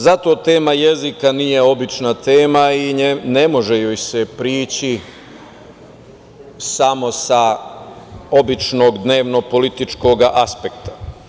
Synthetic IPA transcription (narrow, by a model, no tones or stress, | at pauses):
zat̪o̞ːt̪e̞ːmajezikanijeo̞bit͡ʃnat̪e̞ːmaine̞mo̞ʒe̞joːjsepɾiːt͡ɕi | samo̞sa | o̞bit͡ʃno̞ɡd̪ne̞ːʋno̞po̞lit̪it͡ʃko̞ɡʔaspekt̪ḁ